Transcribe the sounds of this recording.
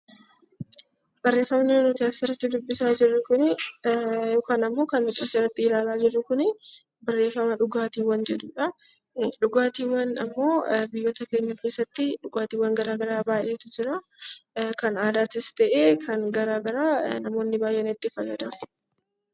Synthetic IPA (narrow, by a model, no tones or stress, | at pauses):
b̥ɐrːe̞ːfɐmnnʊd͡ʒaːsɪɾɐt̪ːɪd̪ʊbːɪsaːd͡ʒɪrːʊkʊnɪ | jo̞ːkaːnɐmːo̞ːkɐnmɪk̪ʼaːsɪɾɐt̪ːɪɪlaːlaːd͡ʒɪrːʊkʊnɪ | bɐrːe̞ːfːɐmɐᶑʊɡaːt̪iːwːɐnd͡ʒɛd̪uːᶑɐ | ᶑʊɡaːt̪iːwːɐnɐ̰mːo̞ːbɪjːɐt̪ɐke̞ːɲːɐke̞ːsːɐt̪ːɪᶑʊɡaːt̪iːwːɐŋɡɐɾaːɡɐɾaːbaːjeːt̪ʊd͡ʒɪɾɐ | kɐnaːd̪aːt̪ɪst̪ɐʔeːkʰɐnɡɐɾaːɡɐɾaːnɐmo̞ːnːɪbaːjʔːɛnɪt̪ːɪfɐjɐd̪ɐ